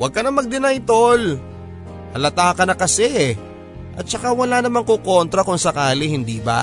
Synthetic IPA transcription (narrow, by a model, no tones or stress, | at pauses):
wɐɡ̚kɐnɐmɐɡ̚d̪ɪnajt̪ol | ʔɐlɐt̪aːkɐnɐkɐsɛ | ʔɐt̪̚t͡ʃɐkawɐlanɐmaŋkokont̪ɾɐkʊŋsɐkaːlihɪnd̪iːba̰